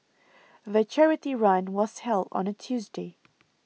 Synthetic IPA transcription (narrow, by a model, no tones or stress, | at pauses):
ðət͡ʃʰɛɹɨtiɹãɪ̃nwʌz̥hɛlˠdn̩ətʰʉzdeɪ